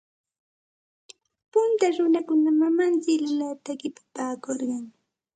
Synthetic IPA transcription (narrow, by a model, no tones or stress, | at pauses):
pʊnt̪aɾʊnakʊnamamant͡ʃɪkllat̪akɪpḁpaːkoɾɢɑŋ